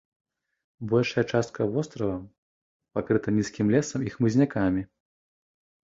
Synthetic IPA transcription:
bɔlʲʂɐjɐt͡ʂast̪̚kʰɐvɔst̪ɾɐvɐ | pakɾɨt̪ɐnʲiskʲimlʲɛsɐmixmɨzʲnʲakamʲi

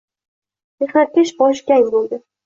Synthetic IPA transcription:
meχnat̪̚kʲaʃbɒʃ̬kʲajmbolˠd̪ɪ

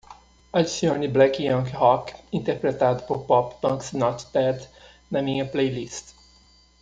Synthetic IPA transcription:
ɐlsiõniblɛkiɐ̃ŋkhɔkĩnt̪eɾpɾet̪ad̪ʊpoɾpɔpbɐ̃ŋksnɔt̪d̪ɛd̪ | nɐmĩɲɐplejlist̪

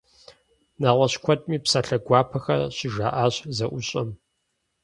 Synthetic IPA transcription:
naːʁʷɐɕkʷʰɔtʼmiːpsaɬɐɡʷaːpʰɐxɐ̰ɕɪʒaːʔaːɕzɐʔʷʊɕʼɐm

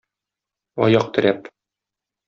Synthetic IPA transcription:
ɒ̰jɑq̚t̪ɘ̆ɾæp

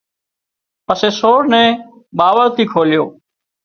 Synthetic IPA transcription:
pəseːsoːɾnɛ̃ː | ɓaːʋəɾt̪ʰiːkʰoːljoː

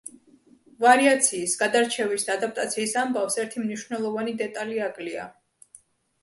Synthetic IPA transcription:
vaɾiat̪sʰiːsɡad̪aɾt͡ʃʰɛvisd̪aːd̪ap̚t̪ʼat̪sʰiːsambafsɛɾt̪ʰimniʃvnɛlˠɔvanid̪ɛt̪ʼaliakʼlia̰

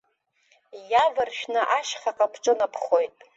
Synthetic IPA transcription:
javɨrʃᶣnɨʔaʃχaqʼapʰʈ͡ʂʼɨnapʰχo̞jtʼ

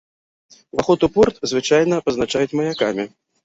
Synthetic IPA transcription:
vaxɔt̪upɔrt̪zvɨt͡ʂajnɐpɐznat͡ʂajut͡sʲmɐjakamʲi

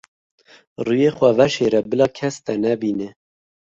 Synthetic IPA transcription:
rujexʷɛvɛʃeɾɛbɨlɑːkʰɛst̪ɛnɛbiːne

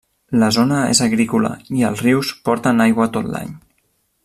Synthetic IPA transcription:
ləzonəḛzəɣɾikulə̰iəlˠzriwspɔɾt̪ənajɣwət̪ot̪la̰ɲ

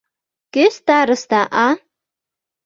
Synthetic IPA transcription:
kʲest̪aɾɨst̪aʔa

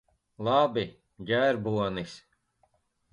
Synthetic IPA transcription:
lˠabi | ɡʲæːɾbuɔnis

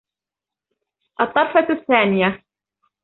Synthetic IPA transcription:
ʔɑt̪ˤːɑɾˤfɑθːaːnɪja

